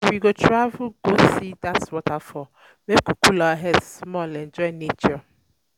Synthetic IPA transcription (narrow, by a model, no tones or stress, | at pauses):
wiɡotɾavuɡosidatswɔtafɔ | mekukulaɦɛsmɔlɛnd͡ʒɔinet͡ʃɔ